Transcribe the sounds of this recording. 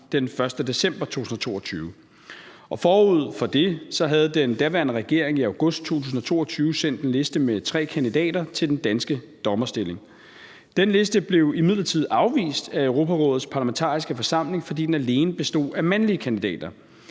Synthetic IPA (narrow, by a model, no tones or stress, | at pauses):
d̥enfɶɐsd̥əd̥e̝sem̰b̥ɐt͡sʰo̝̰ːusn̩ɐt͡sʰo̝̰ːɐt͡sʰyːʊ | ɒ̽fɒːuð̞̰ˠfɒ̽d̥e̝sɒ̽ɦæð̞̩ˠd̥end̥æɐʋæɐnəʁɛɡ̥e̝ɐ̰e̝ŋiɑ̈ʊɡ̥ɔ̽sd̥̚t͡sʰo̝̰ːt͡sʰuːsn̩ɒ̽t͡sʰo̝̰ːɐt͡sʰyːʊsen̰d̥enle̝sd̥əmet͡sʰʁɛ̰ːkʰænd̥idɛ̰ːd̥ɐt͡sʰe̝ld̥end̥ænsɡ̥əd̥ɒ̽mɐsd̥e̝le̝ŋ | d̥enle̝sd̥əb̥le̝ʊimið̰ˠlɐt͡sʰið̞̰ˠɑ̈ʊʋḭːsd̥æøʊʁo̝ːpʰæʁɔ̽ːð̩ˠspʰɑ̈ːlɐæment͡sʰɑ̰̈ːʁisɡ̥əfɒ̽sɑ̈m̰le̝ŋfɒ̽d̥ḭːd̥enæle̝ːnəb̥e̝sd̥o̝̰ːæmænliəkʰænd̥id̥ɛ̰ːd̥ɐ